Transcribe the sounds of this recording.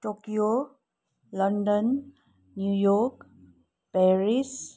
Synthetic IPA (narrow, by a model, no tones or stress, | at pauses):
ʈokijo | ləɳɖənː | jujok | pɛɾis